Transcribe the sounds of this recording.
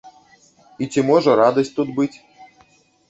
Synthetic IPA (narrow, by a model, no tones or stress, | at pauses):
itʲimoʐɤ̆ɾɑd̪osʲt̚ʲt̪ut̪̚bɨtʲ